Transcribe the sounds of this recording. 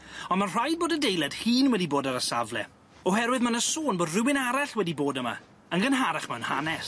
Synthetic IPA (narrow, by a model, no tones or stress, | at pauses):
ɔnmanr̥ajd̚boːdədejlˠɛd̥hiːnwɛdiboːdaɾəsavlɛ̰ | ɔɦɛɾwɪðmanəsoːnboːdrɪwɪnaɾaχwɛdiboːdəma̰ | ənɡənɦaɾaχmanhanɛs